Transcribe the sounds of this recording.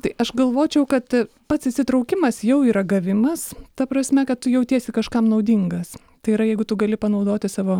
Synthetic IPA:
t̪ɐɪʔɐʃɡɐlˠʋoːt͡ʃʲɛʊkɐt̪ | pɐt̪sɪsʲɪt̪ɾɐʊkʲɪmɐsjɛʊiːɾɐɡɐʋʲɪmɐst̪ɐpɾɐsʲmʲɛkɐt̪tʊjɛʊt̪ʲiɛsʲɪkɐʃkɐmnɐʊd̪ʲiŋɡɐs | t̪ɐɪiːɾɐjɛɪɡʊt̪ʊɡɐlʲɪpɐnɐʊd̪oːt̪ʲɪsɑːʋoː

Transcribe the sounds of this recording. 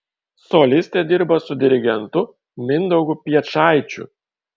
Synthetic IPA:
sɔlʲɪsʲt̪ʲed̪ʲɪɾbɐsʊd̪ʲɪɾʲɪɡʲɛnt̪ʊ | mʲɪnd̪ɔʊɡʊpʲiɛt͡ʃɑˑɪt͡ʃʲʊ̰

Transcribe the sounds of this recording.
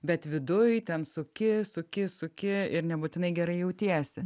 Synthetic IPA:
bʲɛt̪ʋʲɪd̪ʊjt̪ʲɛnsʊkʲɪsʊkʲɪsʊkʲɪɪɾnʲɛbut̪ʲɪnɐɪɡʲɛɾɐɪjɛʊt̪ʲiɛsʲɪ

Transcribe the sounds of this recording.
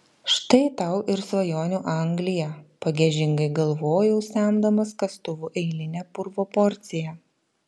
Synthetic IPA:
ʃt̪ɐɪt̪ɐʊʔɪɾsʋɐjoːnʲuːʔɐŋɡlʲɪjɛpɐɡʲɛʒʲɪŋɡɐɪɡɐlˠʋoːjɛʊsʲæˑnd̪ɐmɐskɐst̪ʊʋuːʔɛɪlʲɪnʲɛpʊɾʋoːpɔɾʲt̪sʲɪjɛ

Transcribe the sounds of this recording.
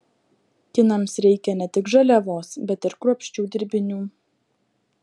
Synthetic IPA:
kʲɪnɐmsɾʲɛɪkʲɛnʲɛt̪ʲɪkʒɐlʲɛʋoːsbʲɛt̪ɪɾkɾuɔpʲʃʲt͡ʃʲuːd̪ʲɪɾʲbʲɪnʲuː

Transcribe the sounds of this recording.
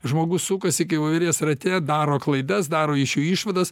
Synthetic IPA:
ʒmoːɡʊssʊkɐsʲɪkɐɪʋɐʋʲɪɾʲjɛːsrɐt̪ʲɛd̪ɑːɾoːklˠɐɪd̪ɐsd̪ɑːɾoːɪʃjuːiːʃʋɐd̪ɐs

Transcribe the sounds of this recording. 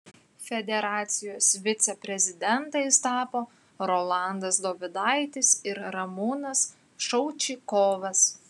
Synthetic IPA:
fʲɛd̪ʲɛɾɑːt̪sʲɪjoːsʋʲɪt̪sʲɛpʲɾʲɛzʲɪd̪ʲɛnt̪ɐɪst̪ɑːpoː | ɾoːlˠɑˑnd̪ɐsd̪oːʋʲɪd̪ɑɪt̪ʲɪsɪɾɾɐmuːnɐs | ʃɔʊt͡ʃʲɪkoːʋɐs

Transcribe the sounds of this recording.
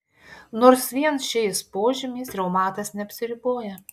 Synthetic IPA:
noːɾsʋʲiɛnsʃʲɛɪspoːʒʲɪmʲiːsɾʲɛʊmɑːt̪ɐsnʲɛɐpʲsʲɪɾʲɪboːjɛ

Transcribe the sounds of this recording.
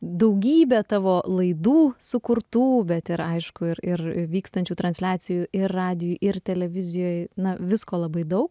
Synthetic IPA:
d̪ɐʊɡʲiːbʲɛt̪ɑːʋoːlˠɐɪd̪uːsʊkʊɾt̪uːbʲɛt̪ɪɾɐɪʃkʊɪɾɪɾɪʋʲiːkst̪ɐnʲt͡ʃʲuːt̪ɾɐnʲsʲlʲæːt̪sʲɪjuːɪrːɑːd̪ʲɪjuʔɪrt̪ʲɛlʲɛʋʲɪzʲɪjoːjnɐʋʲɪskoːlˠɐbɐɪd̪ɐʊk

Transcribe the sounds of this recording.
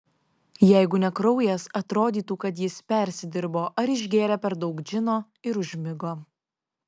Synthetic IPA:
jɛɪɡʊnʲɛkɾɔʊjɛsɐt̪ɾoːd̪ʲiːt̪uːkɐt̪̬jɪspʲɛˑɾʲsʲɪd̪ʲɪɾboːʔɐɾɪʒʲɡʲeːɾʲɛpʲɛɾd̪ɒʊkd͡ʒʲɪnoː | ɪɾʊʒʲmʲɪɡoː

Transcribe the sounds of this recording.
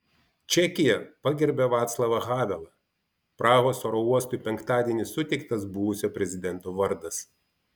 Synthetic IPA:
t͡ʃʲɛkʲɪjɛpɑɡʲɪɾʲbʲɛʋɑːt̪slˠɐʋɐɣɑːʋʲɛlˠɐ | pɾɑːɣoːsoːɾouɔst̪ʊɪpʲɛŋkt̪ɑːd̪ʲiɛnʲɪsʊt̪ʲɛɪkt̪ɐsbʊʋʊsʲoːpʲɾʲɛzʲɪd̪ʲɛnt̪oːʋɐɾd̪ɐs

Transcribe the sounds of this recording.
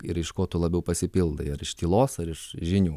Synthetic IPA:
ɪɾɪʃkoːt̪ʊlˠɐbʲɛʊpɐsʲɪpʲɪlˠd̪ɐɪɐɾɪʃt̪ʲiːlˠoːsɐɾɪʃʒʲɪnʲuː

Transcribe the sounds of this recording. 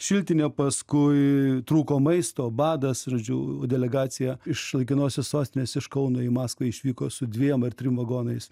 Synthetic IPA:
ʃʲɪlʲt̪ʲɪnʲepɐskʊɪt̪ɾuːkoːmɐɪst̪oːbɑːd̪ɐsʒoːd͡ʒʲuːdʲɛlʲɛɡɑːsʲɪjɛɪʃlˠɐɪkʲɪnoːsʲossoːsʲt̪ʲɪnʲeːsɪʃkɐʊnoːɪmɑːskʋɐɪʃʲʋʲiːkoːsʊdʲʋʲiɛmɐrt̪ʲɾʲɪmʋɐɡoːnɐɪs

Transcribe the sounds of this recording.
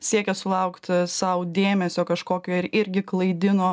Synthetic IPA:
sʲiɛkʲɛsʊlˠɐʊkt̪sɐʊd̪ʲeːmʲɛsʲoːkɐʃkoːkʲoːɪɾɪɾʲɡʲɪklˠɐɪd̪ʲɪnoː

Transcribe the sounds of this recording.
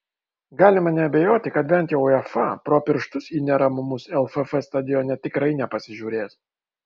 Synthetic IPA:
ɡɑːlʲɪmɐnʲɛɐbʲɛjoːt̪ʲɪkɐt̪̚bʲɛnt̪jɛʊɛfɑpɾoːpʲɪɾʃt̪ʊsiːnʲɛɾɐmʊmʊsɛlˠfɛfɛst̪ɐd̪ʲɪjɔːnʲɛt̪ʲɪkɾɐɪnʲɛpɐsʲɪʒʲuːɾʲeːs

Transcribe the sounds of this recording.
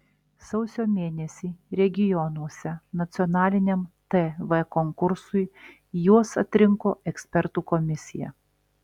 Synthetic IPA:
sɐʊsʲoːmʲeːnʲɛsʲiːɾʲɛɡʲɪjɔnuɔsʲɛnɐt̪sʲɪɔnɑːlʲɪnʲɛmt̪ɛʋɛkɔŋkʊɾsʊɪ | juɔsɐt̪ʲɾʲɪŋkoːɛksʲpʲɛɾt̪uːkɔmʲɪsʲɪjɛ̰

